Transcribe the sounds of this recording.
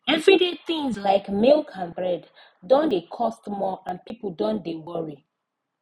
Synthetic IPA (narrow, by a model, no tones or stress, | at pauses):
ɛvɹideθĩŋzlaɪkmilˠkʰãnbɹɛd | dɔ̃ndekʰɔstmɔãnpipudɔ̃ndewɔɹi